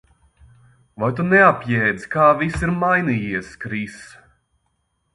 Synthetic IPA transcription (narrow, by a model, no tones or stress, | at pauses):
vajt̪̬unɛapjɛːd̪z̥kaːvisiɾmajnijiɛskɾis